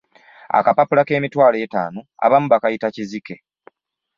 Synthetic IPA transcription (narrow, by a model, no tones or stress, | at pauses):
a̰kapapulake̞ːmitwaːleːta̰ːnoa̰βamuβakajitacizike̞